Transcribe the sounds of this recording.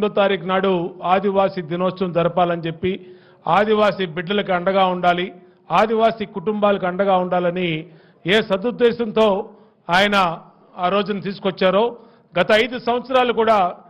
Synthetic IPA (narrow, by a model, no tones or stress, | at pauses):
d̪ɐt̪aːɾiːknaːɽuaːd̪ʱiʋaːsid̪inoːst͡ʃɐmd͡ʒɐɾɐpaːlɐnit͡ʃe̞pːi | aːd̪iʋaːsibiɖːɐlɐkiɐɳɖɐɡaːuɳɖaːli | aːd̪ʱiʋaːsikuʈumbaːlɐkiɐɳɖɐɡaːuɳɖaːlɐni | eːsɐd̪ud̪ːɛːʃɐnt̪o̞ː | aːjɐnɐ | aːɾo̞ːd͡ʒunɐt̪iːsu̥kɔt͡ʃːaːɾo̞ː | ɡɐt̪ɐːjd̪usɐmʋɐt̪sɐɾaːlukuːɽaː